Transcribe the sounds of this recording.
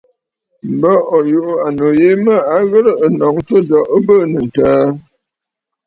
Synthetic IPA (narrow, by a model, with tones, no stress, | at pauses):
m̩˨bə˦ɔ˨ju˨ʔu˦a˨no˨je˦mə˦a˨ɣə˦ɾə˦ə˨nɔ˨ŋt͡sə˦dɔ˨ʔə˦bə˦˨nə˨n̩˨taː˨˦